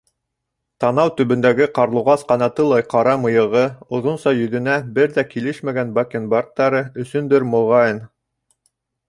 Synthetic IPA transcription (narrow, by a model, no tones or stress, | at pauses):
t̪ɑnɑwt̪ɵ̆βɵ̆nd̪æɡɘqɑɾlˠŭʁɑsqɑnɑt̪ɤlˠɑjqɑɾɑmɤ̆jɤ̆ʁɤŏðonsɑjɵ̆ðɵ̆næbɘɾðækilɘʃmæɡænbɑkenbɑrt̪ːɑɾɤɵ̆sɵ̆nd̪ɘɾmŏʁɑɤn